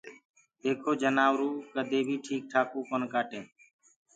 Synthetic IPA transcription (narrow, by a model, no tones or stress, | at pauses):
eːkʰoːd͡ʒənaːʋɾuːkəd̪ʱeːbʱiːʈʰiːk̚ʈʰaːkoːkənkaːʈẽː